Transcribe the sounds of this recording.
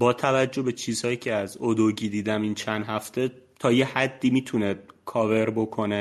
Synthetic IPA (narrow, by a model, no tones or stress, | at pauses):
bɒːt̪ʰævæd͡ʒːo̞hbe̞t͡ʃʰiːz̥hɒːjiːcʰeæzod̪oɟiːd̪iːd̪æmiːnt͡ʃʰænd̪ɦæft̪ʰe̞t̪ʰɒːjehæd̪ːiːmiːt̪ʰuned̪̥̚kʰɒːve̞ɾbo̞kʰo̞ne